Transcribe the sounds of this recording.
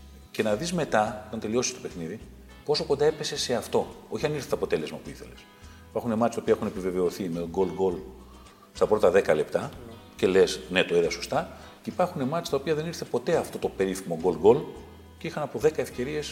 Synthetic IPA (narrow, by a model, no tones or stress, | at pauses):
ce̞nɐðizme̞t̪ɐot̪ɐnt̪e̞lio̞sist̪o̞pe̞xniði | po̞so̞ko̞nd̪ɐepese̞se̞ɐft̪o̞o̞çiɐniɾθet̪ɐpo̞t̪e̞le̞zmɐpuiθe̞̰les | ipɐɾxunemɐt̪ist̪oiɐe̞xunepive̞ve̞o̞θimet̪oɡo̞lɡo̞l | st̪ɐpɾo̞t̪ɐðe̞kɐle̞pt̪ɐce̞le̞sne̞t̪oiðɐso̞st̪ɐ | ceipɐɾxune̞mɐt̪ist̪ɐopiɐðe̞niɾθepo̞t̪e̞ɐft̪o̞t̪o̞pe̞ɾifimoɡo̞lɡo̞l | ceixɐnɐpoðe̞kɐe̞fce̞ɾie̞s